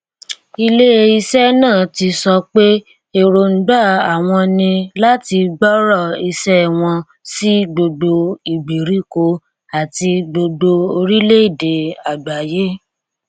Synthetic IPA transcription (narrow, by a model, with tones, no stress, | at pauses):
i˧le˦e˧i˧sɛ˦nãː˦˨ti˧sɔ˧k͡pe˦ | e˦˨ɾo˧n̩˦ɡ͡ba˦˨a˨w̃ɔ̃˧nĩ˧la˦ti˧ɡ͡bɔ˦ɾɔ˦˨i˧sɛ˦˨w̃ɔ̃˧ | si˦do˧do˧i˨ɡ͡bi˨ɾi˦ko˧ | a˨ti˧do˧do˧o˧ɾi˦le˦i˦˨de˨a˨da˨je˦